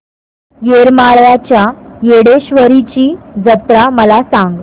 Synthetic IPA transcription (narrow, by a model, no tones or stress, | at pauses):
jeɾmaɭʋat͡ɕjajeɽeɕʋəɾit͡ɕiːd͡zət̪ɾaməlasaŋɡ